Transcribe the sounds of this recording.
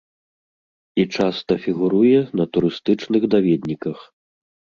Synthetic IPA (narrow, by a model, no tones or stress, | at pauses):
it͡ʂast̪ɐfʲiɣuɾujɛnɐt̪uɾɨst̪ɨt͡ʂnɨɣd̪avʲɛd̪ʲnʲikɐx